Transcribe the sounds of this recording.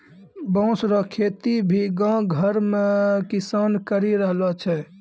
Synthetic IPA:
bɔ̃ʊsɾɔkʰet̪ibʱiɡãɡʱəɾmekisankəɾiɾəɦlɔt͡ʃʰɛ

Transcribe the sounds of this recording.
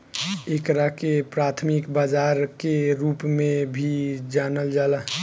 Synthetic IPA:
ekɾakepɾat̪ʰmikbad͡ʒaɾkeɾuːpmẽbʱid͡ʒaːnəld͡ʒalə

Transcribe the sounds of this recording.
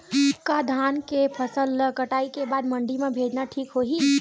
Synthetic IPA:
kad̪ʱaːnkepʰɐsəlkɐʈaːikebaːd̪mɐ̃ɳɖimẽbʱeːd͡ʒnaʈʰiːkɦoːɦi

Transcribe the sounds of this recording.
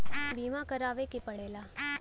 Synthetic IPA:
biːmakɐɾaːʋekipɐɽeːlaː

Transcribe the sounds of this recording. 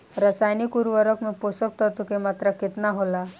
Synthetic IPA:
ɾəsajnikuɾʋəɾəkmiposək̚t̪at̪ukemat̪ɾaket̪naɦola

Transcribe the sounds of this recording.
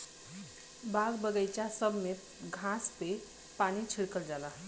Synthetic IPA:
baɡbəɡəjt͡ʃasəbʱme | ɡʱãspe | panit͡ʃʰiɽkəld͡ʒalə

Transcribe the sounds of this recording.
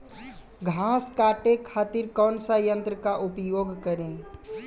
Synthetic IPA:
ɡʱãːskaːʈekʰaːt̪iɾkɔːnsaːjə̃nt̪ɾəkaʔʊpjoːɡʱkəɾẽː

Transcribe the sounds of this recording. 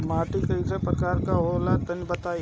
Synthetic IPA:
maːʈikɐisepɾɐkaːɾkaɦoːlat̪ɐnbɐt̪aː

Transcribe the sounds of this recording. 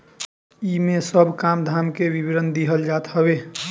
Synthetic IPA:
imesəbʱkamd̪ʱamkebibɾənd̪iɦəld͡ʒat̪ɦəbe

